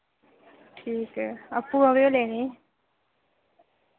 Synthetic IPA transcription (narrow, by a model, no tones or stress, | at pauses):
ʈʰiːkɐpːuəʋjoleːniː